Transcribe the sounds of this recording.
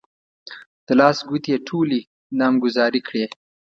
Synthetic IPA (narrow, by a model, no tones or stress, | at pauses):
d̪̥əlɑːsɡut̪jeʈʰuli | nɑːmɡʊzɑːɾikɽe